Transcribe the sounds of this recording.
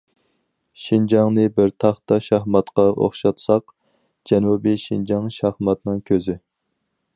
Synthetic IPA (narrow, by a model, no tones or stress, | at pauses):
ʃind͡ʒɑŋnɨbɪɾt̪ʰɑχt̪ɑʃɑhmɑt̪qɑʔo̰χʃɑt̪sɑq | d͡ʒɛnubiʃind͡ʒɑŋʃɑhmɑt̪nɨŋkʲʰøzɪ